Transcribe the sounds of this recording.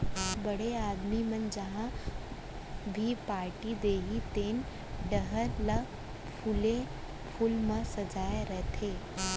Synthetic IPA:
bəɽ̤eaːd̪mimənd͡ʒɐɦã | bʱipaːɾʈid̪eːɦit̪eːn | ɖəɦəɾlə | pʰulẽ | pʰulmə̃sɐd͡ʒaːjeɾɛɦt̪ʰeː

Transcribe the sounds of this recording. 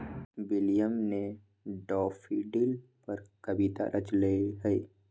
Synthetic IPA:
wɪlijəmne | ɖɔːfʰiɖilpəɾkɐbit̪a̰ɾʔət͡ʃleiɦɛi

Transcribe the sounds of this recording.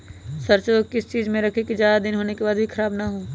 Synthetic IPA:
sɐɾt͡ʃoːkɪst͡ʃiːzmẽɾɐkʰekid͡ʒjaːd̪ad̪ɪnɦoːnekebaːd̪bʱikʰɐɾaːbnaɦoː

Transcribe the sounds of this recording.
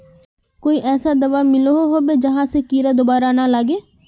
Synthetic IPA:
koːiːʔɛːsaːd̪əʋaːmɪloɦoːɦoːbeːd͡ʒəɦãːsekiːɾaːd̪ʊbaːɾaːnaːlaːɡeː

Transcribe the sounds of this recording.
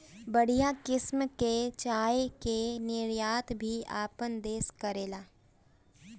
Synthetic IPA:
bəɽ̤ijakɪsmket͡ʃaːkenɪɾjaːt̪bʱia̰ːpənd̪eːskəɾeːlaː

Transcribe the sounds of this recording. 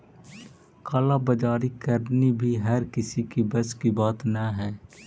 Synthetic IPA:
kaːlabɐd͡ʒaːɾikəɾnibʱiɦɛːɾkɪsikibɐskibaːt̪naɦɛː

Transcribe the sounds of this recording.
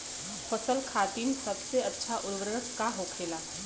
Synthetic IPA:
fʰɐsəlkʰaːt̪insɐbseɐtːʃʰaʔʊlɡɾɾəkkaɦokʰeːlaː

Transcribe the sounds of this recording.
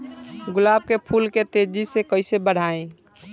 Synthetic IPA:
ɡʊlaːb̚kepʰulket̪ed͡ʒisekəɪsebəɽ̤aːẽ

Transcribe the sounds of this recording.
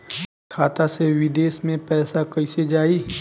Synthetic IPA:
kʰaːt̪aseʋɪd̪eːsmẽpɛːsakɐised͡ʒaːiː

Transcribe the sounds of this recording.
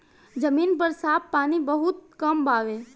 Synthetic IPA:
d͡ʒəmiːnpəɾsaːpːaːnibəɦʊt̪̚kɐmbaːʋeː

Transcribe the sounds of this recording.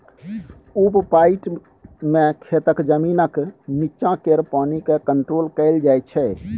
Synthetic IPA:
ubpaɪʈ | mẽkʰet̪əkd͡ʒəminəkmit͡ʃãkeɾpanikekəɳʈɾolkəɪld͡ʒajt͡ʃʰɛ

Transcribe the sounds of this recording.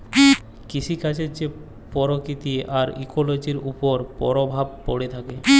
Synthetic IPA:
kit͡ɕʰikʰat͡ɕʰet͡ɕe | pɔɾokɾit̪iʔaɾikolod͡ʑiɾupoɾpɔ̰ɾobʱab̚po̰ɽet̪ʰake

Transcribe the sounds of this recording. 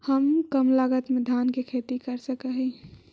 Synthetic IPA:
həmkəmlaːɡət̪med̪ʱaːnkekʰeːt̪ikəɾsəkəɦi

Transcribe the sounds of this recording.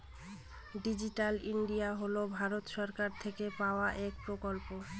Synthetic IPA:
ɖid͡ʑiʈaliɳɖijaɦolobʱaɾot̪ʃɔɾkaɾt̪ʰekepaoaʔek̚pɾokolpo

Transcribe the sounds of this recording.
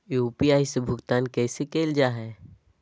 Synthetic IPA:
juːpiaːisebʱʊɡt̪aːnkɛːsekeːld͡ʒaːɦɛː

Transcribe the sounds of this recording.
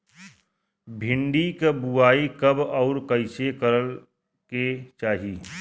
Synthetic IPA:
bʱɪ̃ɳɖikbuaːikɐbɔːɾkəɪsekəɾəl | ket͡ʃaːɦiiː

